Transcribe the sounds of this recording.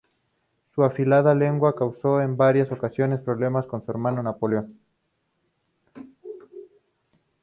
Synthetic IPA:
suafilaðale̞ŋɡwakawso̞e̞mbaɾjaso̞kasjo̞ne̞spɾo̞βle̞masko̞nsue̞ɾmano̞napoleon

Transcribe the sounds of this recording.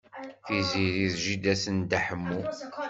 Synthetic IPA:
θiziɾiðʒid̪æsənd̪aħəmːu

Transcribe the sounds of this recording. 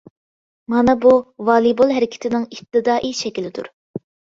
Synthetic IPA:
mɑnɑbuvɑːlˠibolˠɦæɾɪkʲʰɪ̥t̪ʰɪnɪŋip̚t̪ɨd̪ɑːʔiʃɛkʲilɪd̪ṵɾ

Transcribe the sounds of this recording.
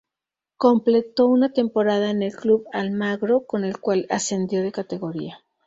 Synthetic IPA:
ko̞mple̞t̪o̞unat̪e̞mpo̞ɾaðaene̞lkluβalmaɣɾo̞ko̞ne̞lkwalase̞nd̪jo̞ðe̞kat̪e̞ɣo̞ɾia

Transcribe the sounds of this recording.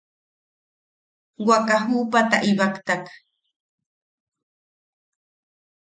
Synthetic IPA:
wakaɦuːpat̪a̰ʔibakt̪ak

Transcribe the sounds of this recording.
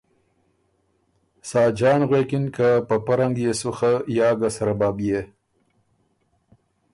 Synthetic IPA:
sɑːd͡ʒɑːnɣwekɪnkapəpaɾaŋɡjesʊxajɑːɡasaɾabɑːbje

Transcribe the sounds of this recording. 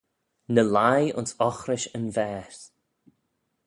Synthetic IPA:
nəlajʊ̰nsɔxɾɪʃənvɛːs

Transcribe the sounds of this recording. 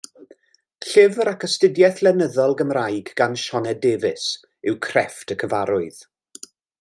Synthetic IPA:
ɬɪvɾakʰəstɪdjɛθlɛnəðɔlˠɡəmrajɡɡanʃɔnɛdeːvɪs | ɪwkʰr̥ɛftʰəkʰəvaɾʊɨð̥

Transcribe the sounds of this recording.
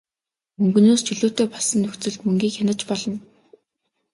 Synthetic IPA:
mɵŋɡɵ̆noːst͡ɕɵɮuːt̪eːpaɮsə̆nːɵxt͡sɵ̆ɮt̪mɵŋɡiːkxʲanə̆t͡ɕpɔɮɞ̆n

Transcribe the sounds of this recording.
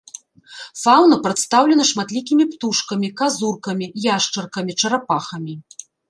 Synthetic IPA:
fawnɐpɾɐt̪st̪awlʲɛnɐʂmat̪lʲikʲimʲipt̪uʂkɐmʲikazurkɐmʲijaʂt͡ʂɐrkɐmʲit͡ʂɐɾapaxɐmʲi

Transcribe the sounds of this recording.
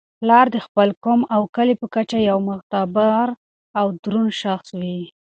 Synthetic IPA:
lɑɾd̪əxpəlkomawkalepəkat͡ʃajawmʊxt̪abaɾ | awd̪ɾunʃaxswi

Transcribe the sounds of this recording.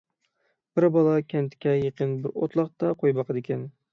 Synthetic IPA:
b̥ɪɾbɒlˠɑkʲʰant̪kʲʰːajeqɨnbɪɾo̰t̪lˠɑq̚t̪ɑqʰojbɑqʰɨd̪ekʲʰan

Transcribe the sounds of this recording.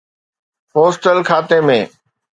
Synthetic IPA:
poːsʈəlkʰaːt̪emẽː

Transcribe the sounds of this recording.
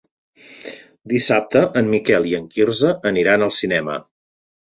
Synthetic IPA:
d̪isap̚t̪əʔəmmikɛlˠiəŋkirzəʔəniɾanəlˠsinɛmə̰

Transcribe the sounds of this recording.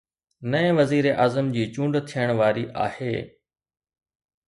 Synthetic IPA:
nɐ̃ɪ̃ʋɐziːɾeʔaːzəmd͡ʑiːt͡ɕũːɳɖt̪ʰijəɽ̃ʋaːɾiʔa̰ːhḛː

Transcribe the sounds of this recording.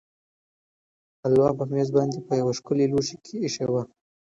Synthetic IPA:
alwɑpəmezbɑnd̪epəjawaʃkʊleluʃekʰeːʃawa

